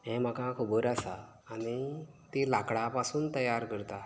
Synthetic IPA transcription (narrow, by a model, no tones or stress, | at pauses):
ɦɛ̃m̤akakʰubəɾasaː | ɽ̃i | t̪ilakɽapasuːnt̪əjaɾkəɾt̪a